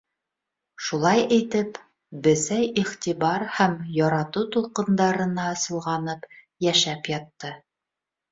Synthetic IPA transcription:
ʃulˠɑjɘ̆jt̪ɘp | bɘ̆sæjiχt̪iβɑɾhæmjɑɾɑt̪ut̪ulˠqɤ̆nd̪ɑɾɤ̆nɑɤ̆sɤ̆lˠʁɑnɤp | jæʃæpjɑt̪ːɤ

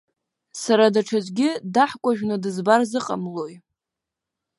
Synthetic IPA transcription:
saɾadaʈ͡ʂʰazʷɡʲɪdaħkʷʼaʒᶣnɨdɨzbarzɨqʼa̰mloj

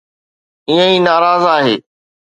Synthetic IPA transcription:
iːə̃iːnaːɾaːzaːɦeː

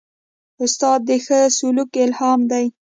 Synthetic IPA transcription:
ʊst̪ɑd̪̚ːəxəsʊlukɪlhɑmd̪aj

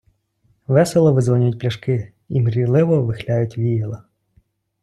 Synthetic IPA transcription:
ʋɛsɛlˠɔʋɪzʋɔnʲjʊt̚ʲplʲɐʃkɪ | imɾʲilˠɪʋɔʋɪxlʲajʊtʲʋʲijɛlˠɐ

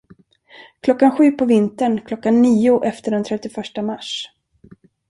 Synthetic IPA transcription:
kʰlɔkːanɧʉ̟ːpʰɔvɪnt̪əɳkʰlɔkːanːiːʊʔɛft̪əɖɛnt̪ʰɾɛt̪ːɪfœʂʈamaʂ

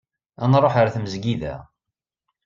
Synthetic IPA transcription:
ænɾˤoħəɾθməzɡiðæ̰

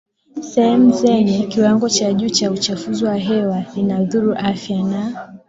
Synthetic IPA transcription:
sɛhɛmuzɛɲɛkiwaŋɡɔt͡ʃaʄuːt͡ʃaut͡ʃafuziwaɦɛwalinaðuɾuʔafjana

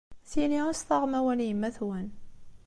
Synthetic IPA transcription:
θiniasθˤɑʁmæwænjəmːæθwæn

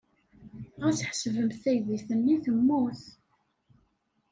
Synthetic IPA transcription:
æt͡sːə̥ħsvəmθæjðiθənːiθəmːuθ

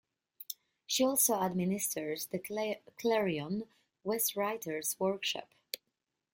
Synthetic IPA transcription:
ʃiɔlˠsoʊadmɪnɪstʰə˞zðɨkʰlɛɹiɔ̃n | wɛstɹaɪtə˞zwɜɹkʃɑ̰p

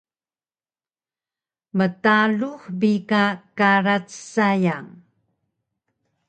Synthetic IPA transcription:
mətaluxbikakaɾat͡ssajaŋ

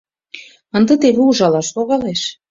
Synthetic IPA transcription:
ənd̪ə̆t̪eβeuʒɑlɑʃloɣɑleʃ

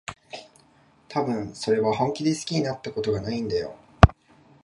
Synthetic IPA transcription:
t̪ʰabɯ̟̃ɴ̃so̞ɾe̞βahõ̞ŋkʲid̪e̞sɨ̥kʲiɲinat̪ːako̞t̪o̞ɡanaĩnd̪ajo̰

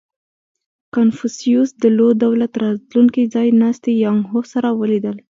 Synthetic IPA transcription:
kanfusijusd̪əlod̪awlat̪ɾɑt̪luŋkid͡zɑjnɑst̪ejɑŋɦosaɾawəlid̪əl

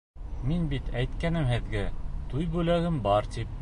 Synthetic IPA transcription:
minbit̪æjt̪kænɘmhɘ̆ðɡæt̪ujbʉlæɡɘmbɑɾt̪ip̚

